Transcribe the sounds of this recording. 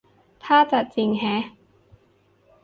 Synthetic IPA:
t̪ʰaː˥˩t͡ɕa˨˩t͡ɕi˧˩ŋɦɛː˨˥

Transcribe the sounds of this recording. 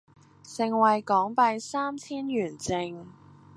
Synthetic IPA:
sɪ˨ŋwɐ˨jkɔː˨˥ŋpɐ˧jsaː˥mt͡sʰiː˥njyː˨˩nt͡sɪ˨˧ŋ

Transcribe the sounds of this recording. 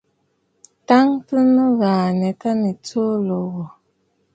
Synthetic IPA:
ta˦ŋtɨ˦nɨ˦ɣa˨nɛ˨ka˦ni˨to˦lo˨ɣɔ˨

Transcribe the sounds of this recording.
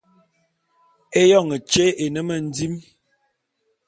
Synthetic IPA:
e˦jɔ˦˨ŋə˨t͡ʃe˦ʔe˨nə˦mə˨n̩˦di˦m

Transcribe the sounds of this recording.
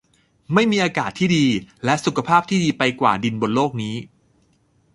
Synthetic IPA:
ma˥˩jmiː˧ʔaː˧kaː˨˩t̪ʰːiː˥˩diː˧lɛ˦˥ʔsu˨˩kʰa˧pʰaː˥˩p̚t̪ʰiː˥˩diː˧pa˧jkwa̰ː˨˩di˧nbo˧nloː˥˩k̚niː˦˥

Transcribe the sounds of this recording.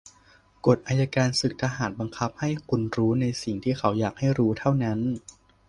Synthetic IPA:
ko˨˩t̪̚ʔaː˧ja˧kaː˧nsɯ˨˩k̚t̪ʰaː˧ɦaː˨˩˦n̚ba˧ŋkʰa˦˥p̚ha˥˩jkʰu˧nɾuː˦˥na˧jsi˨˩ŋt̪ʰiː˥˩xʰa˩˦wjaː˨˩k̚ha˥˩jɾuː˦˥t̪ʰa˥˩wna˦˥n

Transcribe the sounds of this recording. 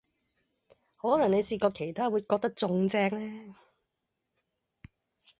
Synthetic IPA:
hɔː˨˥lɐ˨˩ŋne˨˧jsiː˧kɔː˧kʰe˨˩jt̪ʰaː˥wuː˨˧jkɔː˧k̚t̪ɐ˥k̚t͡sʊ˨˧ŋt͡sɛː˧k̚lɛː˥

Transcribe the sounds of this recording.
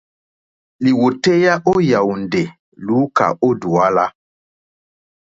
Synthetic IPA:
li˨wo˨te˦ja˦ʔo˦ja˨wndɛ˨ | luː˨˦ka̰˨o˦du˨a˦la˦

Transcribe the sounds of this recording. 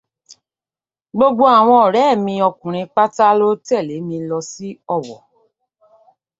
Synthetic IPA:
ɡ͡bo˧ɡ͡bo˦a˨w̃ɔ̃˧ɔ˨ɾɛ˨˦˨mĩ˧ɔ˧kũ˨ɾ̃ĩ˧k͡pa˦ta˦lo˦tɛ˦˨le˨˦mĩ˧lɔ˧si˦ɔ˦˨wɔ̰˨

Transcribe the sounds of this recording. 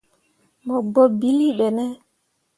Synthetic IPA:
mɔ˨ɡ͡bɔ˨bi˦li˦ɓɛ˨nɛ˦

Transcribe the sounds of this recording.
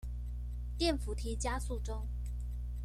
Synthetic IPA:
t̪jɛ˥˩nfu˨˥t̪ʰi˧˥t͡ɕja˥su˥˩ʈ͡ʂʊ˥ŋ

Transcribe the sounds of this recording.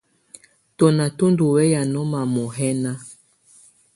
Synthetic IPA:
tɔ˨na˨to˦ndu˨wɛ˦ja˨nɔ˦ma˨mɔ˨ɦɛ˦na˦

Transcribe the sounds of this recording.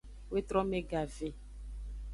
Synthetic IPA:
we˦t̪ɾɔ̃˦me˦ɡa˨ve˨

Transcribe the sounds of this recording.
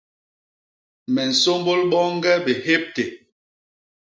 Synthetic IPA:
mɛ˨n̩˨so˦mbo˦lɓɔ˦ŋ˦ɡɛ˦be˨he˦p̚te˨

